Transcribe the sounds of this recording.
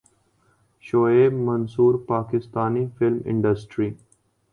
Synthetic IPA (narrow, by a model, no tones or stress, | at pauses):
ʃoːeːbmɐnsuːɾpaːkɪst̪aːnifɪlmɪ̰̃ɳɖəsʈɾiː